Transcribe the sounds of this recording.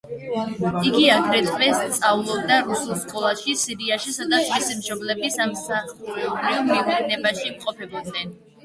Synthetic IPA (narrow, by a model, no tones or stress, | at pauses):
iɡiaɡɾɛt̪ʼmɛst̪sʼaulˠɔb̚d̪aɾusulˠskʼɔlˠaʃisiɾiaʃisɔd̪aʃisimʃɔblɛbisamsaχɾimiɡɛnɛbaʃimqʼɔpʰɛbɔd̪nɛn